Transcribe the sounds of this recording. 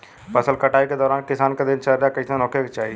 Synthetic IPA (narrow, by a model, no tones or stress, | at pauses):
pɐsəlkɐʈaːiked̪ɔːɾaːnkɪsaːnked̪ɪnt͡ʃɐlɾakɐisenɔːkjekt͡ʃaːɦi